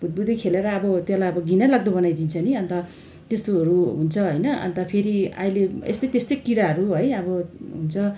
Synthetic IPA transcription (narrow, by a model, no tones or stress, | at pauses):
bʱud̪̚bud̪ʱikʰeleɾʌːbʌt̪jelajʌbʌɡinalʌɡ̚d̪ʌbʌnajd̪int͡sʰʌniʌnt̪ʌ | t̪est̪oɦʌɾuɦunt͡sʰʌɦojnʌʔʌ̰nt̪ʌpʰeɾia̰ileḛst̪ʌjt̪est̪ʌkiɾaɦʌɾuɦʌjʌbʌɦunt͡sʰʌ